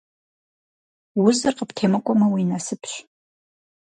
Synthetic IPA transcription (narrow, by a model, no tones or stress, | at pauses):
wʊzɨrqəptʰeːmɨkʷʼɔmɐwiːnasɨpʰɕ